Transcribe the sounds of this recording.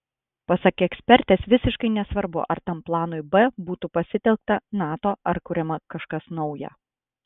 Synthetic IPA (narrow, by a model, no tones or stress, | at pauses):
pɐsɐkʲɛksʲpʲɛɾʲt̪ʲeːsʋʲɪsʲɪʃkɐɪnʲɛsʋɐɾbʊ̰ʔɐ̰ɾt̪ɐmplˠɑːnoɪbɛbuːt̪upɐsʲɪt̪ʲɛlˠk̚t̪ɐnɑːt̪oːɐɾkʊɾʲɛmɐkɐʃkɐsnɒʊjɛ̰